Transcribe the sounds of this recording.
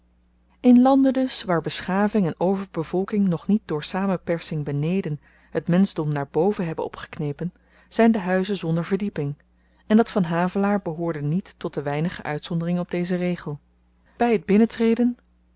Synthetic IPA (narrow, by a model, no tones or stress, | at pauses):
ɪnlɑndədɵsʋaːɹbəsχaːvɪŋɛnowvəɹbəvɔlˠkɪŋnɔχnit̚dʊːɹsaːmənpɛɹsɪŋbənejdən | ɦətmɛnzdɔmnaːɹbowvənɦɛbənɔ̰pχə̥knejpən | z̥ɛjndəɦœɥzəzɔndəɹvəɹdipɪŋ | ɛndɑtfɑnɦaːvəlaːɹbəɦʊːɹdənitːɔt̚dəʋɛjnəχəʔœɥtsɔndərɪŋənɔb̚dejzərejχəlˠ | b̥ɛjəd̚bɪnətrejdən